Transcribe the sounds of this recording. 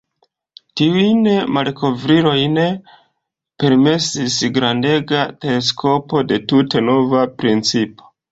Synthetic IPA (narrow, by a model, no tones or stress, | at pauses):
tiujnemalko̞vɾiɾo̞jne̞ | pe̞ɾme̞sisɡɾande̞ɡatees̬kʰo̞po̞de̞tute̞no̞vapɾint͡sipo̞̥